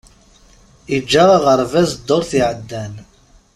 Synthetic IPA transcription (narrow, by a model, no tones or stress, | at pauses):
id͡ʒːaʁaʁəɾˤvæzd̪ːoɾˤθiʕəd̪ːæn